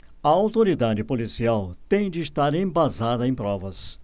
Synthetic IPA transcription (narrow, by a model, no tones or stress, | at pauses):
ɐawt̪oɾid̪ad͡ʒɪpolisiawt̪ẽj̃d͡ʒɪːst̪aɾẽj̃bazad̪ɐẽj̃pɾɔvɐs